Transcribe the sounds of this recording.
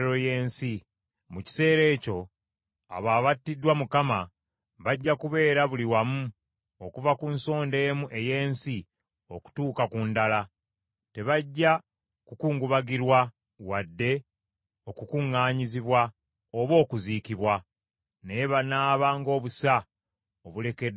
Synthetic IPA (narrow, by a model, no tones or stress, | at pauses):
ɾoje̞ːnsi | muci̥se̞ːɾe̞ːco̞ | a̰βaːβatːidwamukama | βaɟːakuβe̞ːɾaβuliwamu | o̞kuvakunso̞ːnde̞ːmuʔe̞je̞ːnsi | o̞ku̥tuːkakundala | te̞βaɟːa | kukuːŋɡuβaɡiɾwa | wadːe̞ | o̞kukuŋːaːɲiziβwa | oβo̞ːkuziːkiβwa | neβanaːβaŋɡo̞ːβusa | oβule̞ke